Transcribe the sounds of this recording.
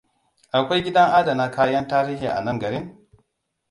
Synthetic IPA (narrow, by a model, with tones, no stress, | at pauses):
ʔa˨kʷa˦jɡʲɪ˦dɐ˦ŋʔa˦da˨na˦kʰaː˦jɐ˦ntaː˦ɾiː˦hḭ˨ʔa̰˨nɐ˦ŋɡɐ˨ɾɪ˦ŋ